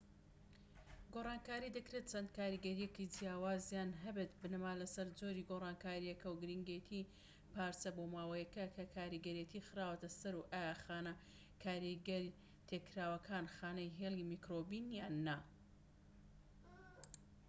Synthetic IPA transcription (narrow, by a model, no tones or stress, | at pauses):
ɡorˤɑːnkaːɾid̪ɐkɾe̞t̪̚t͡ʃʰɐnd̪̚kaːɾiɡɐɾijekid͡ʒijaːwaːzjaːnɦɐbet̪bɨnɨmaːlɐsɐɾd͡zoːɾiːɡorˤɑːnkaːɾijɛkɐwɡɨɾiŋɡejt̪ʰi | paːɾsɐboːmaːwɐjɐkɐkʰɐkʰaːɾiɡɐɾiet̪ixɨɾaːwt̪ɐsɐɾuʔaːjaxaːnɐ | kʰaːɾiɡɐɾi | t̪ʰekːɾaːwɐkʰaːnxaːnɐjɦeːlˠimikɾobinjaːnːɐ